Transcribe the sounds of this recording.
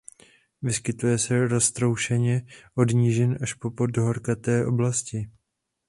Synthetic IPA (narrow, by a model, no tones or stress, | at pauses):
vɪskɪt̪ujɛsɛɾo̞st̪ɾo̞wʃɛɲɛʔo̞dɲiʒɛnʔaʃpo̞pod̚doɦoɾkat̪ɛːʔo̞blascɪ